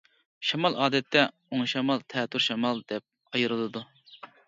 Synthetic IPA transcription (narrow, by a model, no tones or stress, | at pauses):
ʃɑmɑlˠʔɑːd̪ɛt̪ʰːɛ | oŋʃɑmɑlˠt̪ʰɛt̪ːʊɾʃɑmɑlˠd̪ɛp̚ | ɑjɨɾɨlˠɨd̪u